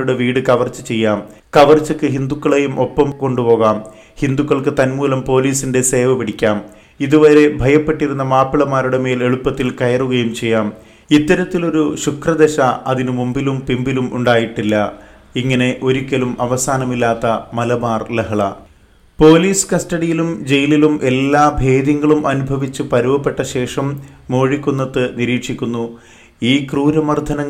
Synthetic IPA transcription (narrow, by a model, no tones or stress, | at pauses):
uɽe̞ʋiːɽɨkɐʋɐrt͡ɕːɨt͡ɕe̞jːaːm | kɐʋɐrt͡ɕːɐkːɨɦind̪ukːɐɭejumʔo̞pːɐmko̞ɳɖupo̞ːɣaːm | hind̪ukːɐɭkɨt̪ɐnmuːlɐmpo̞ːliːsinde̞se̞ːʋɐpiɽikʲːaːm | iðuʋɐɾe̞bʱɐjɐpːe̞ʈːiɾunːɐmaːpiɭɐmːaːɾuɽe̞me̞ːle̞ɭupːɐt̪ːilkɐjɐruɣɐjumt͡ɕe̞jːaːm | it̪ːɐɾɐt̪ːilo̞ɾuɕukrɐd̪eɕɐʔɐðinɨmumbilumpimbilumʔṵɳɖaːjiʈːilːɐ | iŋːɐne̞ʔo̞ɾikʲːɐlumɐʋɐsaːnɐmilːaːt̪ːɐmɐlɐbaːrlɐɦɐɭɐ | po̞ːliːsɨ̥kɐstɐɽijilumd͡ʑe̞jililumʔe̞lːaːbʱe̞ːðjɐŋːɐɭumʔɐnubʱɐʋit͡ɕːɨpɐɾubɐpːe̞ʈːɐɕe̞ːʂɐmːo̞ːɻikʲːunːɐt̪ːɨniɾiːkʂikʲːunːu | iːkruːɾɐmɐrd̪ʱɐnɐŋː